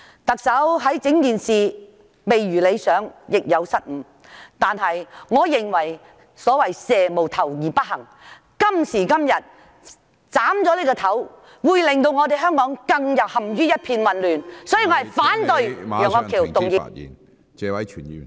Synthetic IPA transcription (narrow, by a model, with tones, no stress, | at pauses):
t̪ɐ˨k̚sɐ˨˥wɦɐ˨˥jt͡sɪ˨˥ŋkiː˨nsiː˨ | me˨jɥyː˨˩le˨˧jsœː˨˥ŋjɪ˨k̚jɐ˨˧wsɐ˥t̚m̩˨˧ | t̪aː˨nɦɐ˨jŋɔː˨˧jɪ˨ŋwɐ˨˩j | sɔː˨˥wɐ˨˩jsɛː˨mo˨˩wt̪ʰɐ˨˩wjiː˨˩pɐ˥t̚hɐ˨˩ŋ | kɐ˥msiː˨˩kɐ˥mjɐ˨t̚ | t͡saː˨˥mt͡sɔː˨˧leː˥kɔː˧t̪ʰɐ˨˥w | wuː˨˧jlɪ˨ŋt̪o˧wŋɔː˨˧t̪e˨jɦœː˥ŋkɔː˨˥ŋkɐ˧ŋjɐ˨t̚hɐ˨˩mjyː˥jɐ˥t̚pʰiː˧nwɐ˨nlyː˨nsɔː˨˥jiː˨˧ŋɔː˨˧˥ɐ˨˩jfaː˨˥nt̪ɵ˧ɥjœː˨˩ŋɔː˧kʰiː˨˩wt̪ʊ˨ŋjḭ˨n | t͡sɛː˧wɐ˨˦jt͡ʃʰyː˨˩ni˨